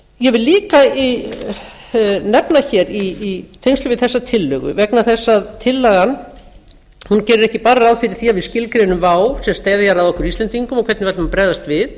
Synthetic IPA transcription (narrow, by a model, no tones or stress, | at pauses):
jɛvɪlːiːkai | nɛpnaçɛɾiːt̪ʰejnslʏvɪðθɛsːat̪ʰɪlːʏɣʏ̰vɛknaθɛsːaðt̪ʰɪlːaɣan | huncɛːɾʏɾɛhcɪpaɾaðfɪɾɪɾ̥θiavɪðscɪlkɾenʏmvaːwsɛmst̪eːjðaçaɾaðɔhkʏɾist̪ɛnt̪iŋkʏmɔkʰvɛt̪nɪvɛt̪mapɾɛjðast̪vɪð